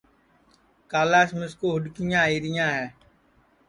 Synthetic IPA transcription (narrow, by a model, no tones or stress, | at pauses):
kaːlaːsmɪskoːɦʊɗkɪjãːiːɾɪjãːɦɛː